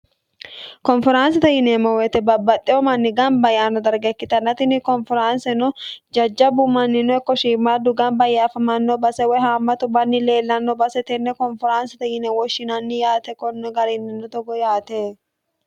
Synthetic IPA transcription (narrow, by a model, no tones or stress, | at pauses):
kɔnfɔɾansɪt̪ɐjɪnemɔwɛt̪ɛbɐbːɐt̪ʼːɪɔmɐnːɪɡɐmbɐjaːnːɔd̪ɐɾɡɛkːɪt̪ɐnːɐt̪ɪnɪkɔnfɪɾansɛnɔd͡ʒɐd͡ʒːɐbʊmɐnːɪnɔɛkːɔʃiːmːaːd̪ʊɡɐmbɐjaːfɐmɐnːɔbɐsɛwɔhaːmːɐt̪ʊbɐnːɪle̞ːlːɐnːɔbɐsɛt̪ɛnːɛkɔnfɔɾaːnsɪt̪ɐjɪnɛwɔʃːɪnɐnːɪjaːt̪ɛkɔnːɔɡɐɾɛnːɪnːɔt̪ɔɡɔjaːt̪eː